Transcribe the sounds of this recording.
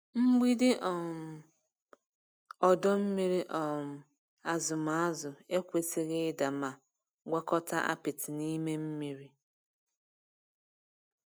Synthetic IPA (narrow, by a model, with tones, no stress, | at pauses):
ŋ͡m̩˦ɡ͡bi˦dɪ˦ʔɔ˨m˨ | ɔ˨dɔ˦m̩˦mi˦ɾi˦ʔɔ˨m̩˨ | a˨zʊ˨ma˨˦a˦zʊ˨e˦kʷe˨ti˨ɣɪ˦da˨ma˨ | ɡʷa˦kɔ˦ta˦ʔa̰˦pɪ˨tɪ˨ni˦me˦m̩˦mi˦ɾi˦